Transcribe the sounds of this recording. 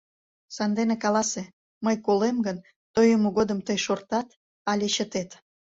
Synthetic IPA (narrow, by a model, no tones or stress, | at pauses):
sɑnd̪enekɑlɑse | məjkolemɡən | t̪ojəmoɣod̪əmt̪əjʃort̪ɑt̪ | ɑlʲeɕət̪et̪